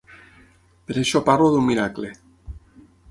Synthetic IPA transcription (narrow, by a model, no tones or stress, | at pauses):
peɾeʃopaɾloðummiɾakle